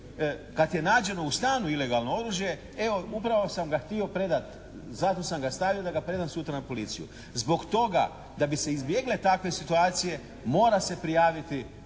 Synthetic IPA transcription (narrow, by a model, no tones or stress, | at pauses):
kat̪je̞naːd͡ʑe̞no̞ust̪aːnuile̞ɡalno̞o̞ɾuːʒje̞ | e̞o̞upɾaʋo̞samɡaxt̪io̞pɾe̞d̪at̪ | zat̪o̞samɡast̪aʋijo̞d̪aɡapɾe̞d̪ansut̪ɾanapo̞lit̪sijṵ | zbo̞kt̪o̞ɡa̰ | d̪abiseizbje̞ɡle̞t̪akʋe̞sit̪uaːt̪sije̞ | mo̞ːɾase̞pɾijaːʋit̪i